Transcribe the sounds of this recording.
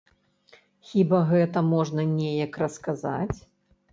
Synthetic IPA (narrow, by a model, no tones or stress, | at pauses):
xʲibɐɣɛt̪ɐmɔʐnɐnʲɛjɐkrɐskaza̰t͡sʲ